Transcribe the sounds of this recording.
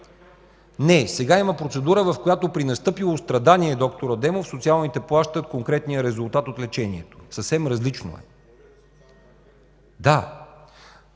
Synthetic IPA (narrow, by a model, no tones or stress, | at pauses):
nɛsɛɡaiməpɾot̪sɛd̪uɾəvɐfkojat̪opɾinɐst̪ɤpilˠost̪ɾɐd̪aniɛd̪ɔkt̪oɾəd̪ɛmofsot̪sialˠnit̪ɛplˠaʃt̪ət̪koŋkɾɛt̪nijəɾɛzulˠt̪at̪ot̪lɛt͡ʃɛniɛt̪o̥səfsɛmɾɐzlit͡ʃno̰ɛ̰ | d̪a